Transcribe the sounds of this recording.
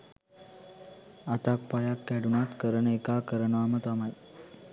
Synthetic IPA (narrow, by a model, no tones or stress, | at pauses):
at̪ak̚pajakːɛɽunat̪kəɾəɳekakəɾəɳʋamət̪amaj